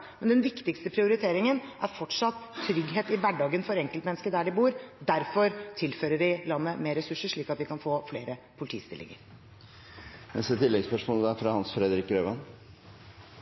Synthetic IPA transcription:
mɛnd̪ɛnʋɪkt̪ɪkst̪əpʰɾɪʊɾɪt̪ʰeːɾɪŋənʔæɾfɔʈʂɑt̪ʰːɾʏɡɦeːt̪ɪʋæɖɑːɡənfɔɾɛŋkəlt̪mɛnəskəɾd̪æɖɪbuːɾd̪æɾfɔɾt̪ʰɪlføːɾəɖɪlɑnːəmeːɾɛsʉʂəʂɭiːkɑt̪ʋɪkɑnfoːfleːɾəpʰʊlɪt̪ʰiːst̪ɪ̰lʔɪ̰ŋə̰ɾ | nɛ̰st̪ət̪ʰɪlːɛɡspœʂmɔləæfɾɑhɑnsfɾɛd̪əɾɪkːɾøːʋɑn

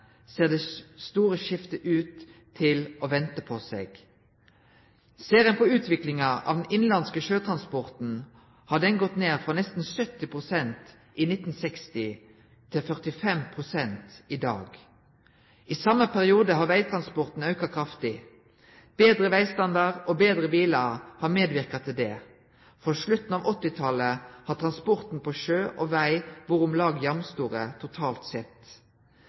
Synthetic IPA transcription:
seːʁd̪ɛst̪uːʁəʃɪft̪əʔʉːt̪ʰː | ɪloːʋɛnt̪əpʰɔsḛːɡ̥ | seːʁənpʰɔʉːt̪ʰʋɪklɪŋɑʔɑ̰ʋd̪ɛnɪnlɑnskəʃøːt̪ʰʁɑnspɔʁt̪n̩ | hɑːd̪ɛnɡɔt̪neːʁfʁɔnɛst̪n̩sœt̪ːɪpʁʊsɛnt̪ | ʔiːnɪt̪n̩sɛkst̪ɪ | t̪ʰːɪlfœʁt̪ɪfɛmpʰʁʊsɛnt̪id̪ɑ̰ːɡ | ʔiːsɑmːəpʰæʁɪuːd̪əɦɑːʁʋæɪt̪ʰʁɑnspɔʁt̪n̩œʉkɑkʰʁɑft̪ɪ | b̥eːd̪ʁəʋæɪst̪ɑnd̪ɑʁoːbeːd̪ʁəbiːləhɑːmeːd̪ʋɪʁkɑt̪ʰɪd̪ɛː | fɔʂlʉt̪n̩ɑːʋɔt̪ːɪt̪ʰɑləhɑːt̪ʰʁɑnspɔʁt̪n̩pʰoʃøːʔoːʋæɪʋʊɾʊmlɑːɡjɑmst̪uːʁət̪ʰʊt̪ʰɑːlt̪sɛt̪

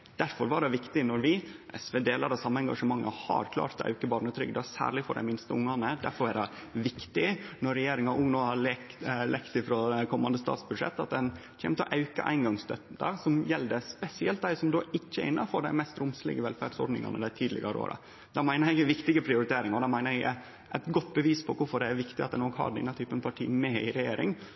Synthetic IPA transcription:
d̪̥æɾfɔɾʋɑɖɛʋɪkt̪ɪnɔɾʋɪʔɛsʋeːd̪eːlɑɾɑsɑmːəɛŋɡɑ̰ʂəmɑŋːə̰hɑ̰ɾkʰlɑ̰ːɾt̪ɔɑ̰ʉkəbɑːɾɳət̪ʰɾʏ̰ɡd̪ɛɑsæ̰ːɾɭɪfɔɾɖæ̰ɪmɪnst̪əʊŋːɑnəd̪æ̰ɾfɔɾædɛ | ʋɪkt̪ɪnɔɾːɛjeːɾɪŋɑʔʊŋːnoːhɑ | lʔɛkt̪ɪfɾoːkʰɔmːɑnd̪əst̪ɑ̰ːt̪sbʉd̪ʂɛ̰t̪ːɑt̪̚d̪ɛnçʰḛːmət̪ɔʔɑʉkɑ̰ʔæ̰ɪnɡɑŋst̪ʰœt̪ːɑɾsɔmjɛld̪əspɛsɪɛlt̪̚d̪æɪsɔmd̪oːʔɪçːəʔɪnːɑfɔɾɖ̪æɪmɛst̪ɾʊmslɪ̰ɡəʋɛlfæɖsɔɾɖnɪ̰ŋɑ̰nəd̪æɪt̪ʰiːd̪lɪ̰ɡɑɾəo̰ːɾɑ̰ | d̪æɪmæɪnəɾɪɡəʋɪkt̪ɪɡəpʰɾɪʊɾɪt̪ʰeːɾɪŋɔd̪æɪmæɪnəɾɪɡə | ʔæt̪ɡɔt̪ːbəʋiːspʰɔkʊɾfɔɖɛæɾʋɪkt̪ɪɑt̪d̪ɛnɔkhɑ̰ɖɛ̰nːɑt̪ʰyːpənpʰɑʈʰḭːmɛɪ̰ɾɛjeːɾɪ̰ŋ

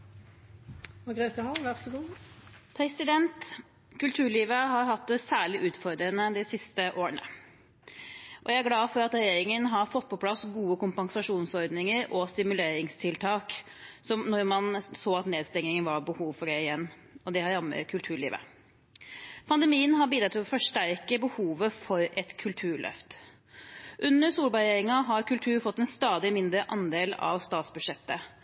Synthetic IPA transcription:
ʋɑɡʁɛʏt̪ɛhɑʋæʁsəɡuːpʰɾɛsɪd̪ɛnt̪ | kʉlt̪ʰʉːɭiːʋəɦɑɾɦɑt̪ːsæːɭɪʔʉːt̪fɔɾd̪ɾənəd̪ɛsɪst̪əʔoːɾənə̰ | ʔɔjæɪæɾɡlɑːfɔɾɑt̪ɾɛjeːɾɪŋənɦɑɾfɔt̪̚ːpʰɔpʰlɑsɡuːəkʊmpɑŋsɑʂuːnsɔɾd̪nɪŋəɾʔɔst̪ɪmʉleːɾɪŋst̪ʰɪlt̪ʰɑːk | sɔmnɔɾmɑnsoːɑt̪neːd̪st̪ɛŋnɪŋənʋɑɾbəhuːʋfɔɾæɪɪjɛnː | ɔd̪ɛhɑɾɑmːə̰ɾkʰʉlt̪ʰʉːɭḭːʋə̰ | pʰɑnd̪ɛmiːənɦɑɾbiːd̪ɾɑt̪ʰɪlɔfɔʂʈæɾkəbəhuːʋəfɔɾɛt̪kʰʉlt̪ʰʉːɾɭœ̰ft̪ | ʔʉnːəɾsuːlbɑɾeːɾɪŋɑɦɑɾkʉlt̪ʰʉːɾfɔt̪ːɛnst̪ɑːd̪ɪmɪnd̪ɾəʔɑnd̪eːlɑ̰ʋst̪ɑːt̪sbʉd̪ʂɛt̪ːə

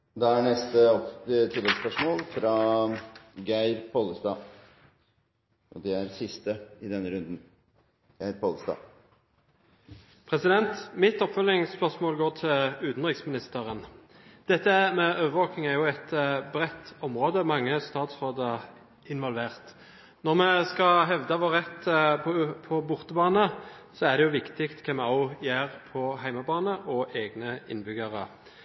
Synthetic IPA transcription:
d̪ɑæɳɛst̪əɔpt̪ʰud̪ɛspœʂmoːlfɾɑ | ɡæɪɾpʰɔləst̪ɑː | ʔɔd̪ɛæɾsɪst̪əɪd̪ɛnːəɾʉnd̪n | ɡ̥æɪɾpʰɔːləst̪ɑ̰ː | pʰʁɛsɪd̪ɛnt̪mɪt̪ɔpfœlɪŋspœʁsmoːlɡoːʁt̪ʰɪlʉːt̪nʁɪksmɪnɪst̪əʁən | d̪̥ɛt̪ːəmɛʔøːʋəʁʋoːknɪŋæɾjʊɛt̪bʁɛt̪ːɔmʁoːd̪əmɑŋːəst̪ɑːt̪sʁoːd̪ə | ɪnʋɔlʋeːʁt̪ | nɔʁmɛskɑɦɛʋd̪əʋɔʁɛt̪ʰ | pʰɔbʊʁt̪əbɑːnəsɔæʁd̪ɛjʊʋɪkt̪ɪkt̪kʰɛmɛɔʊjeːʁpʰɔɦæɪməbɑːnəʔɔʔeːɡnəɪ̰nbʏɡəʁə̰

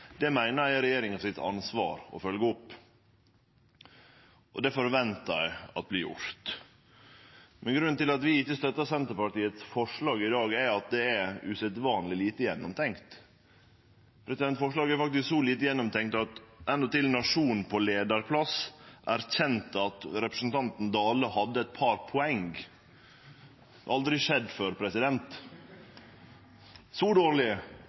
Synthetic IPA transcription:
d̪̥ɛmæɪnəɾæɪɾɛjeːɾɪŋɑsɪt̪ʰɑ̰nsʋɑ̰ːɾɔ̰fœlɡəɔpː | ʔɔd̪ɛfɔɾʋɛnt̪əæ̰ɪɑ̰t̪̚bliːjʊ̰ɾt̪ | mɛnɡɾʉnt̪ɪlɑt̪ʋɪɪçːəst̪œt̪ːəsɛnt̪əɾpɑʈiːət̪sfɔʂɭɑːɡɪd̪ɑːɡæɑt̪̚d̪ɛæʉsɛt̪ʋɑːnlɪliːt̪əjɛnːɔmt̪ʰɛŋkt̪ | pʰɾɛsɪd̪ɛnt̪fɔʂɭɑːɡæɾfɑk̚t̪ɪsksɔliːt̪əjɛnːɔmt̪ʰɛŋt̪ɑt̪ʔɛnd̪ɔt̪ɪlnɑʂuːnn̩pʰɔleːd̪ɑɾpʰlɑsʔæɾçɛnt̪ɑt̪ɾɛpɾəsn̩t̪ʰɑnt̪n̩d̪ɑːləhɑd̪ːəɛt̪̚pʰɑɾpʰɔɛŋɡ | ɑld̪ɾɪʂɛd̪ːføɾpʰɾɛsɪd̪ɛnt̪ | sɔd̪oːɾlɪ

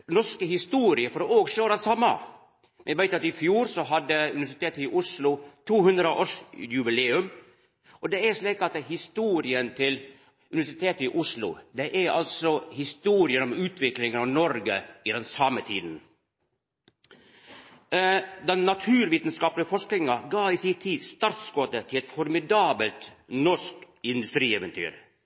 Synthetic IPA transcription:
nɔʂkəhɪst̪uːɾɪəfɔɾoːɡʂøːɾɑnsɑmːɑ̰ | mɛnɛʋæɪt̪ɑt̪ɪfjuːɾsɔɦɑd̪ːəʉ̰nɪʋæʂɪt̪ʰeːt̪əɪʔʊʂlʊt̪ʰuːhʉnd̪ɾəʔoːʂjʉbɪleːʉm | ʔɔd̪ɛæɾʂliːkɑt̪hɪst̪uːɾɪənt̪ʰɪl | ʉnɪʋæʂɪt̪ʰeːt̪əɪʔʊslʊ̰d̪ɛʔæɾɑ̰lsɔhɪst̪uːɾɪəɾɔmʉːt̪ʰʋɪklɪŋənɑʋnɔɾɡəɪd̪ɛnsɑmət̪ʰiːd̪n̩ | d̪ɛnnɑt̪ʰʉːɾʋiːt̪ənskɑːplɪəfɔʂknɪŋɑɡɑːɪsɪt̪ʰːiːd̪st̪ɑɾt̪sɡɔːt̪ət̪ʰɪlɛt̪fɔɾmɪd̪ɑːbəlt̪nɔʂk | ɪnd̪ʉst̪ɾiːɛʋənt̪ʰy̰ːɾ

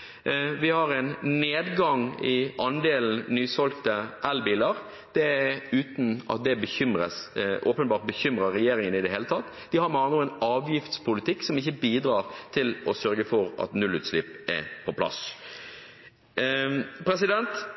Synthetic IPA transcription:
ʋɪhɑɾɛnneːd̪ɡɑŋɪʔɑnd̪eːln̩nyːsɔlkt̪əʔɛlbiːləɾ | d̪̥ɛʉːt̪n̩ɑ̰t̪̚d̪ɛbəçʏmɾəsʔoːpənbɑːɾt̪̚bəçʏmɾəɾɛjeːɾɪŋənɪd̪ɛɦeːlət̪ʰɑt̪ː | d̪̥ɪhɑɾmɑːnʊɛnɑːʋjɪft̪spʊlɪt̪ʰɪksɔmɪçəbiːd̪ɾɑːɾt̪ʰɪlɔsœɾɡəfɔɾɑ̰t̪nʉlːʉːt̪slɪpɛ̰pʰɔpʰlɑ̰s | pʰɾɛs̬ɪd̪ɛnt̪

